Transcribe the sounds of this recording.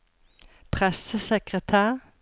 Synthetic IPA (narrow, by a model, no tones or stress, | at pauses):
pʰʁɛsəsɛkʁət̪ʰæːʁ